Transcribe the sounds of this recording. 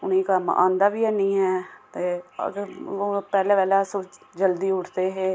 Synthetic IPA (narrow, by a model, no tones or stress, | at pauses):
ʊniːkəmʔã̰ːnd̪aːʋiːɛːnĩːɦɛːt̪ḛː | oːpɛːlẽːʋɛːlaːsoː | d͡ʒəld̪iːʊʈʰd̪eːɦeː